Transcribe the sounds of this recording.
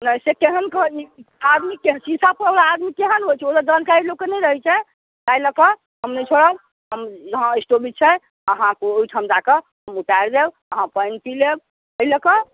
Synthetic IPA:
najsekeɦənkəɦiad̪mikeɦsisapɾəlaːd̪mikeɦənɦojt͡ʃʰɛod̪əd͡ʒankaɾilokenɛjɾəɦɛt͡ʃʰɛ | tajləkə | ɦəmnɛt͡ʃʰoɽəb | ɦəməɦãisʈobitt͡ʃʰɛ | əɦãkoujʈʰəmd͡ʒakə | ɦəmuʈaeɾd̪eb | əɦãpəjnpileb | əiləkə

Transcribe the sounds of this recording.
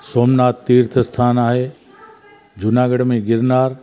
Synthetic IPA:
soːmnaːt̪ːiːɾt̪ʰəst̪ʰaːnaːɦe | d͡ʒʊnaːɡəɽmẽɡɪɾnaːɾ

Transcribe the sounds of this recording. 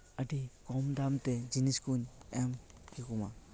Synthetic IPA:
ədiɡɔmdamted͡ʒiniskuɲɛmkikuma

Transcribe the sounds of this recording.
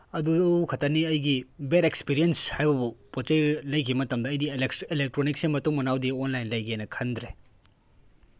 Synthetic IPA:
ɐdukʰɐtaniɐjɡibeɾekspiɾijenshajbɐbupot͡ʃɐjlɐjkʰimɐtɐmdɐːjdielek̚tɾonik̚seŋmɐtuŋmɐnawdionlajnlɐjɡenɐkʰɐnd̪ɾe

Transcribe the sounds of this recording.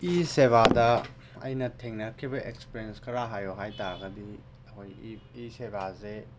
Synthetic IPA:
iseβadɐ | ɐ̰jnɐtʰeŋnɐkʰibɐʔekspeɾienskʰɐɾaɦajoɦajtaɾɐɡɐdi | ɐkʰojisebaze

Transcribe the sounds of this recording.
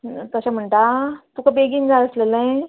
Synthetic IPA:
t̪əɕam̤əɳʈat̪ukabeɡinɡaləslelə̃ẽ

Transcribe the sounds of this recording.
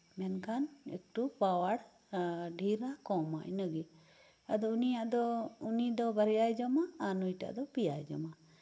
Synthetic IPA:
mɛnkanḛk̚ʈupawaɽ | ɖʱiɾakɔma̰jnəɡi | ad̪ɔunijaʔd̪ɔunid̪ɔbəɾjajd͡ʒɔmaːnujʈa̰ʔd̪ɔpijajd͡ʒɔ̰ma

